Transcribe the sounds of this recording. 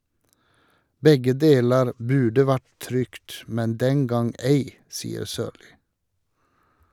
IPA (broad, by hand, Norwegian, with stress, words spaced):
ˈbɛɡə ˈdeːləɹ ˈbʉːɖə ˈʋæʈ ˈtɾʏkt ˈmɛn ˈdɛŋ ˈɡɑŋ ˈæɪ ˈsiːəɾ ˈsøːɾliː